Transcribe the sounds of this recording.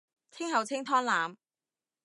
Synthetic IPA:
kʰɪ˥ŋhɐ˨˧wt͡sʰɪ˥ŋt̪ʰɔː˥ŋlaː˨˧m

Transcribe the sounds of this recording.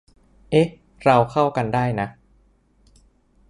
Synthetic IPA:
ʔe˦˥ | ɾa˧wkʰa˥˩wka˧ndaː˥˩jna˦˥ʔ

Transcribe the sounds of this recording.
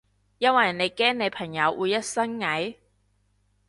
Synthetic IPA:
jɐ˥nwɐ˨˩jne˨˧jkɛː˥ŋne˨˧jpʰɐ˨˩ŋjɐ˨˧wʔuː˨˧jːɐ˥t̚sɐ˥ŋŋɐ˨˥j

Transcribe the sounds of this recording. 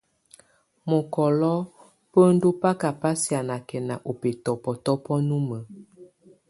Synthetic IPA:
mɔ˨kɔ˨lɔ˦ | pə˦n̩˦do˦pa˦ka˨pa˦sja˨na˨kɛ˨na˨ʔo˨pe˨tɔ˨pɔ˨tɔ˦pɔ˦nu˦mə˨

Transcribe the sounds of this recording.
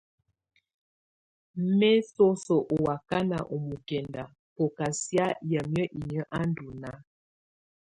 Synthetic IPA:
mɛ˦so˦so˨ʔo˨wa˨ka˦na̰˨ʔo˨mu˨kɛ˨nda˨ | po˨ka˨sja˦jə˨mjə˦ʔi˨ɲə˦ʔa˦n˦du˨na˦

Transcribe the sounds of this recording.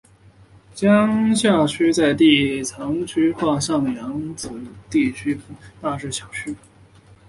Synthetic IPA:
t͡ɕjɑ˥ŋɕja˥˩t͡ɕʰy˥t͡sa˥˧ɪt̪i˥˩t͡sʰɑ˧˥ŋt͡ɕʰy˥xwa˥˧ɕjɑ˥˩ŋd̪ə˩jɑ˧˥ŋt͡sɹ̩˨˩t̪i˥˩t͡ɕʰy˥t̪a˥˧ʂɻ̩˥˩ɕʰjɑ˨˩ʊt͡ɕʰy˥

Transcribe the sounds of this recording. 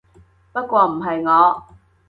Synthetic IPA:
pɐ˥t̚kʷɔː˧m̩˨˩ɦɐ˨jŋɔː˨˧

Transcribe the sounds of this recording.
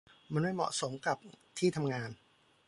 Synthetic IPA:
ma˧nma˥˩jmɔ̰˨˩ʔso˩˦mka˨˩p̚t̪ʰiː˥˩t̪ʰa˧mŋaː˧n

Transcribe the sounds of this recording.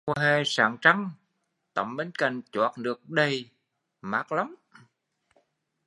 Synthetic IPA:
ɦe˨˩saː˧˩ŋt͡ɕa˧ŋ | t̪ə̰˧˩mɓe˨˦nka̰˧˨jŋ̟t͡ɕwaː˨˩t̚nɨ˨˩ək̚ɗə˧˩j | ma̰ː˨˥k̚la˨˦ŋ͡m

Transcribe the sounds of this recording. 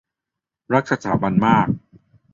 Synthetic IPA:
ɾa˦˥k̚sa˧t̪ʰaː˩˦ba˧nmaː˥˩k̚

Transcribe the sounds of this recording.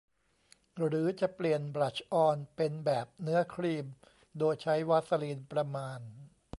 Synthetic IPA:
ɾɯː˩˦t͡ɕa˨˩pli˨˩ənbɾa˨˩t͡ɕʰʔɔː˧npe˧nbɛː˨˩p̚nɯ˦˥ɐkʰɾiː˧m | doː˧jt͡ɕʰa˦˥jwa˦˥t̪̚sa˧liː˧npɾa˧maː˧n

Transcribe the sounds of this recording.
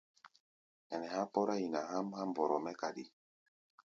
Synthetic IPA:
ɛ˨nɛ˨ha˦pɔ˦ɾa˦i˨na˨ɦa˦mha˦mbɔ˨ɾɔ˨mɛ˦ka˨ɗi˨

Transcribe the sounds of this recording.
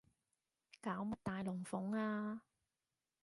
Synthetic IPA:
kaː˨˥wmʊ˨˩t̪aː˨jlʊ˨˩ŋfʊ˨˥ŋaː˧

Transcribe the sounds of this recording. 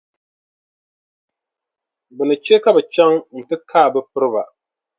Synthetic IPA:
bɨ˨nɨ˨t͡ʃɛ˦ka˦bɛ˨t͡ʃa˦ŋn̩˨tɨ˦kʰaː˦˨bɛ˦pɨ˦ɾɨ˦ba˨

